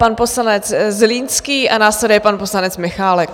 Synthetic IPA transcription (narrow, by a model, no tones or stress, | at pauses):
panposlanɛt͡szliːnskiːʔanaːslɛdjɛpanpo̞slanɛt͡smɪxaːlɛk